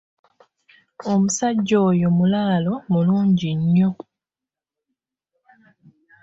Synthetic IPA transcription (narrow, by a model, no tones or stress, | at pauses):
omusaɟːoːjomulaːlo̞muluːɲɟiɲːo